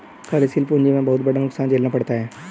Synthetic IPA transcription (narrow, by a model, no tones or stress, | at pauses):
kaɾesiːlpunɲd͡ʒimẽbɐɦʊt̪̚bɐɽanʊksaːnt͡ʃeːlnapɐɽt̪aɦɛː